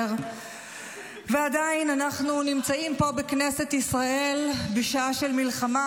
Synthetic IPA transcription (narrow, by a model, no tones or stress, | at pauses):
ʁ | veadainanaχnunimt͡saimpo̞bekne̞se̞t̪isʁaʔe̞lbeʃaaʃe̞lmilχama